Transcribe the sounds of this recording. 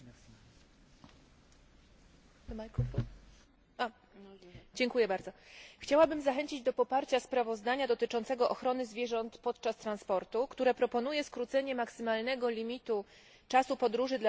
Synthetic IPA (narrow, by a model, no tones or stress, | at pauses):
mak | a | d͡ʑɛŋkujɛbaɾd̪zɔxt͡ɕawabɘmzaxɛɲt͡ɕid͡ʑd̪ɔpɔpaɾt͡ɕaspɾavɔzd̪aɲad̪ɔt̪ɘt͡ʂɔ̃nt̪sɛɡɔʔɔxɾɔnɘzvʲjɛʐɔnt̪pɔt̪t͡ʂast̪ɾanspɔɾt̪ukt̪uɾɛpɾɔpɔnujɛskɾut̪sɛɲɛmaksɘmalnɛɡɔlʲimʲit̪u | t͡ʂasupɔd̪ɾuʐɘd̪l